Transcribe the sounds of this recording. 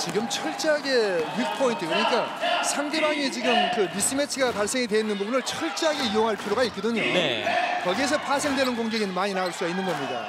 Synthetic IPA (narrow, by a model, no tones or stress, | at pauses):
t͡ɕiɡɯmt͡ɕʰʌɭt͡ɕ͈aɡe̞ɥik̚pʰointʰɯkɯɾʌɲik͈asʰamde̞baŋit͡ɕiɡɯmkɯmis͈ɯmet͡ɕʰiɡapaɭs͈e̞ŋidwe̞inːɯnbubunɯɭt͡ɕʰʌɭt͡ɕ͈aaɡeijoŋɦaɭpʰiɾjoɣait̚k͈ʌdɯɲo̰nḛkʌɡie̞s̬ʰʌpʰasʰe̞ŋdwe̞nɯnɡoŋɡeɡinɯnmaɲinauɭs͈uɡainːɯnɡʌmɲida̰